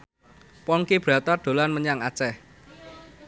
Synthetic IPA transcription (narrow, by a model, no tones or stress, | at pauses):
pɔŋkib̥ɾä̤t̪aɖ̪̥o̤lanməɲaŋat͡ʃɛh